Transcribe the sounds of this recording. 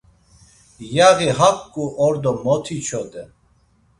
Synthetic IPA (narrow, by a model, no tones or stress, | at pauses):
jaɣiɦap̚ʰkʼuʔɔɾd̪ɔmɔt̪ʰit͡ʃʰɔd̪ɛ